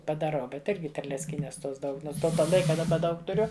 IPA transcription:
pɐdɐˈrɐʊ ˈbʲɛt ˈɪrʲɡʲɪ tʲɛrʲlʲɛt͡sʲˈkʲiːnʲɛs ˈtoːs ˈdɐʊk ˈnoːns ˈtoː ˈlˠɐɪkɐ dɐˈbɐ ˈdɐʊk tʊˈrʲʊ

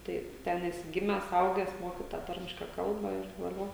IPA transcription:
ˈtɐɪ ˈtʲɛn ˈæːsʲɪ ˈɡʲɪmʲæːs ˈɐʊɡʲæːs ˈmoːkʲɪ tɑː ˈtɐrʲmʲɪʃkɐ ˈkɐlˠbɐ ɪr ʋɐˈlʲoː

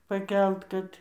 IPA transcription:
pɐˈkʲɛlˠt kɐt

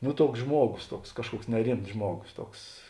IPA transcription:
noː ˈtuɔks ˈʒmuɔɡoːs ˈtuɔks ˈkɑːʃˌkuɔks nʲɛˈrʲɪmts ˈʒmuɔɡoːs ˈtuɔks

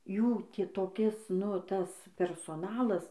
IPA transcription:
ˈjuː ˈtʲiː toːˈkʲɪs nʊ ˈtɐs pʲɛrsoːˈnɑːlˠɐs

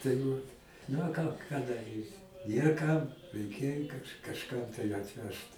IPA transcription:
tɐɪ ˈʋɐt nɐ ˈkɑː kɑː dɐˈrʲiːsʲɪ ˈnʲeːr kɐm rʲɛɪˈkʲeːj kɐʃ kɐʃˈkɐm tɐɪ ɐtʲˈʋʲɛʃt

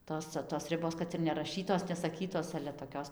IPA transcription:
ˈtoːs t͡sʲɛ toːs ˈrʲɪboːs ˈkɐt ɪr nʲɛrɐˈʃʲiːtoːs nʲɛsɐˈkʲiːtoːs ɐlʲɛ toːˈkʲoːs

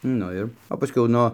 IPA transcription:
ˈnʊ ɪr oː pɐˈsʲkʲɛʊ ˈnoː

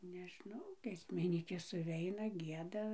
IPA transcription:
nʲɛˈʒnɐʊ ɡʲiɛsʲmʲɪˈnʲiːkʲeːs sʊˈʋʲɛɪnɐ ˈɡʲiɛdɐ

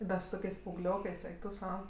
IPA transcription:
bʲɛt sʊ ˈtoːkʲɛɪs pɐɐʊˈɡlʲoːkɜs ˈɛɪk tʊ ˈsɐʊ

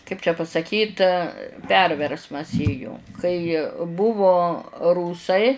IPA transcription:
kɐɪp t͡ʃʲɛ pɐsɐˈkʲiːt ˈpʲɛrʲʋʲɛrsmɐs ˈeːjoː kɐɪ ˈbʊʋoː ˈruːsɐɪ

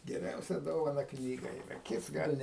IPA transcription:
ɡʲɛˈrʲɛʊsʲɛ ˈdoːʋɐnɐ ˈknʲiːɡɐ iːˈrɐ ˈkʲɪts ˈɡɐlʲ nʲɛ

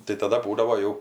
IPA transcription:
tɐɪ tɐˈdɐ ˈbuːdɐʋoː ˈjɛʊ

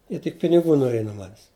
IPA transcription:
ˈjiɛ tʲɪk pʲɪnʲɪˈɡuː noːˈrʲiɛj nuɔ ˈmɑːnʲɛs

